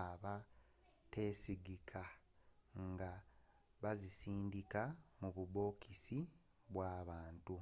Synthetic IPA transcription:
aβa | te̞ːsiɡikʰa | ŋɡa | βazisiːndikamuβuβo̞ːkisi | βwaːβaːntu

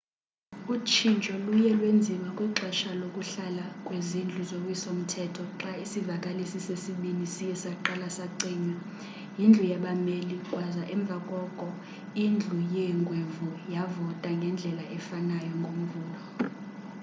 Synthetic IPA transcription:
ut͡ʃʰint͡ʃʼɔlujɛlwend͡zʱimakʼwiǁɛʃalokʼuɬalakʼwezind͡ɮʱuzokʼwisom̩tʰɛtʰɔǁaisivakʼalisisesiɓinisijɛsaǃalasaǀiːɲa | jind͡ɮʱujaɓamelikʼwazaʔɛɱb̪vʱakʼɔkʼɔ | ind͡ɮʱujɛŋɡʱwevujavɔtʼaŋɡʱɛnd͡ɮʱɛlaʔɛfanajɔŋɡʱom̩vuːlɔ

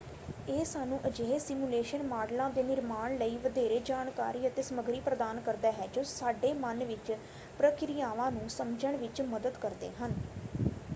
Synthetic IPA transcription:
eːsaːnũːʔəd͡ʒeːɦesɪmuːleːʃənmaːɖlãːd̪eːnɪɾmaːɳləiːʋəd̪eːɾeːd͡ʒaːɳka̰ːɾiːət̪eːsəməɡɾiːpɾəd̪aːnkəɾd̪aːɦɛːd͡ʒoːsaːɖeːmənʋɪt͡ʃ | pɾəkɪɾijaːʋãːnũːsəmd͡ʒəɳ̃ʋɪt͡ʃməd̪əd̪kəɾd̪ḛːɦən

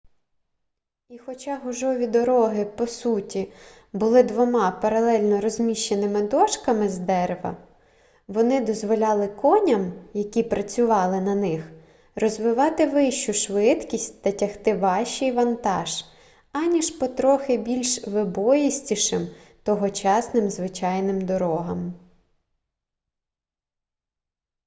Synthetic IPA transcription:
ixɔt͡ʃɑɦʊʒɔʋʲid̪ɔɾɔɦɪpɔsutʲi | bʊlˠɪd̪ʋɔmɑpɐɾɐlˠɛlʲnɔɾɔzʲmʲiʃt͡ʃːenɪmɪd̪ɔʃkɐmɪzd̪ɛɾeʋɐ̰ | ʋɔnɪd̪ɔzʋɔlʲɑlˠɪkɔnʲɐmjɐkʲipɾɐt͡sʲʊʋɑlˠɪnɐnɪx | rɔzʋɪʋɑt̪ɪʋɪʃt͡ʃʊʃʋɪt̪kʲisʲtʲt̪ɐtʲɐxt̪ɪʋɑʃt͡ʃijʋɐnt̪ɑ̰ʒ | ɑnʲiʃpɔt̪ɾɔxɪbʲilʲʃʋɪbɔjisʲtʲiʃɪm | t̪ɔɦɔt͡ʃɑsnɪmzʋɪt͡ʃɑjnɪmd̪ɔɾɔɦɐm

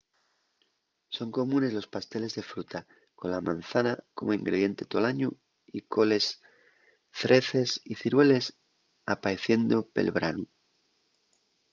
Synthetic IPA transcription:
so̞ŋko̞mũne̞zlo̞spast̪e̞le̞zðe̞fɾut̪a | konlamã̰n̟θanako̞moiŋɡɾe̞ð̞je̞nt̪e̞t̪olaɲu | iko̞le̞s | θɾe̞θe̞siθiɾwe̞le̞s | apaeθje̞nd̪ope̞̰lβɾanu

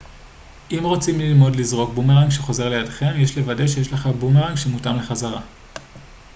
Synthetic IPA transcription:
ʔimʁot͡simlilmo̞dlizʁo̞kbumeʁaŋɡʃeχo̞ze̞ʁle̞jadχe̞mjeʃle̞vade̞ʃejeʃleχabumeʁaŋɡʃemutamle̞χazaʁa

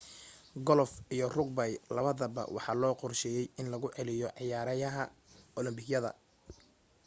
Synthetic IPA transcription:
ɡɔlfijɔrʊɡ̚bɐjlɐβɐðɐbɐ̰wʔɑ̰ħɑ̰ːlɔːqɔrʃɛjɛjɪnlɐɣʊʕɛlɪjɔʕɑjaːɾɐjɐɦɐɔlɔmbɪɡjɐðɐ̰

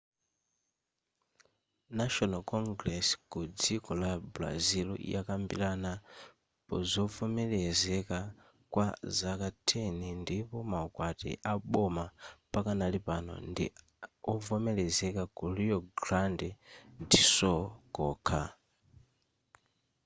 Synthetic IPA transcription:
naʃɔnalkɔŋɡɾɛsi̥kud͡zikɔlabla̰zilṵḭjakambḭlana | pɔzɔvɔmɛlɛzɛka | kwazakatʰɛnindipɔmaɔkwatḭʔaɓɔmapakanalipanɔ̰ndḭ | ɔvɔmɛlɛzɛkakuliɔɡɾandɛndisɔkɔːkʰa̰

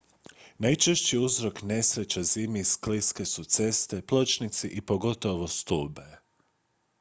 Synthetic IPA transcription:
najt͡ʃeʃt͡ɕiuzɾo̞kne̞sɾe̞t͡ɕaziːmiskliske̞sut̪se̞st̪e̞plˠo̞t͡ʃnit̪siʔipo̞ɡo̞t̪oʋo̞st̪uːbe

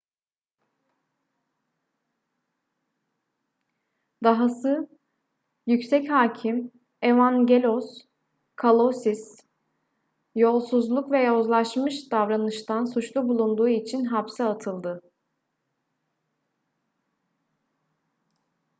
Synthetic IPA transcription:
d̪aɦasɯ | jycsɛchaːcʰim | e̞vanɟelʲos | kʰalˠosis | jo̞lˠsuzlˠukvɛjaozlˠaʃmɯʃd̪avɾanɯʃt̪ʰansut͡ʃlˠubulˠund̪uːit͡ʃʰinɦapsɯat̪ʰɯlˠd̪ɯ

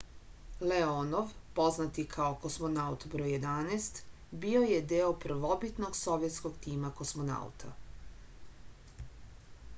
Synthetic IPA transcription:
leono̞ʋpo̞znat̪ikʰaoko̞smo̞naut̪bɾoːjje̞d̪anest̪ | bio̞je̞d̪eːopr̩ʋo̞bit̪noɡso̞ʋjet̪sko̞ɡt̪iːmako̞smo̞na̰ṵt̪ʰa̰

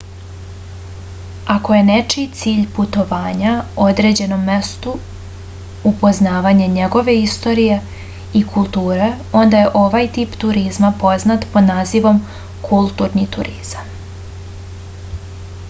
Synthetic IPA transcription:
ako̞je̞net͡ʃit̪siːʎput̪o̞ʋaːɲao̞d̪ɾe̞d͡ʑe̞no̞mːe̞st̪u | upo̞znaːʋaɲe̞ɲe̞ɡo̞ʋe̞ist̪o̞ɾije̞ | ikʰulˠt̪uːɾe | o̞nd̪aje̞ʔo̞ʋajt̪iːpt̪uɾizmapo̞znat̪pod̪naːziʋo̞m | kʰulˠt̪uːɾnit̪ṵɾʔiz̥am

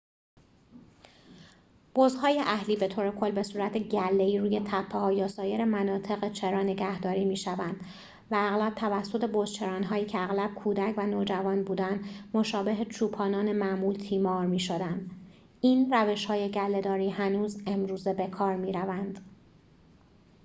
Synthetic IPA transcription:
b̥ozɦɒːjeʔæhliːbe̞t̪ʰoːɾe̞kʰo̞lːbe̞suːɾæt̪ʰeɟælːe̞iːɾuːje̞t̪ʰæpʰːehɒːjɒːsɒːje̞ɾe̞mænɒːt̪ʰe̞ɣet͡ʃʰe̞ɾɒːne̞ɟæhd̪ɒːɾiːmiːʃævænd̪ | væːɣlæb̥̚t̪ʰævæsːo̞t̪ʰe̞bozt͡ʃʰe̞ɾɒːnɦɒːjiːcʰeæɣlæb̥̚kʰuːd̪æcʰvænoːd͡ʒævɒːnbuːd̪ænd̪mo̞ʃɒːbe̞ɦet͡ʃʰuːpʰɒːnɒːne̞mæʔmuːlt̪ʰiːmɒːɾmiːʃo̞d̪ænd̪ | iːnræve̞ʃhɒːjeɟælːe̞d̪ɒːɾiːɦænuːze̞mɾuːze̞be̞kʰɒːɾmiːɾævænd̪̥

